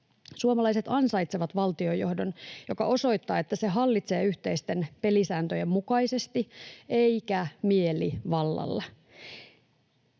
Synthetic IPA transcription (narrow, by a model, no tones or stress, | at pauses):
suomɑlɑjse̞t̪ɑnsɑjt̪seʋɑt̪ʋɑlt̪io̞jo̞hdonjo̞kɑ̰ʔo̞so̞jt̪ːɑːe̞t̪ːæse̞ɦɑlːit̪se̞ːyçt̪e̞ist̪e̞npe̞lisæːnt̪øjemmukɑjse̞st̪ieikæmielḭʋɑlːɑ̰lːɑ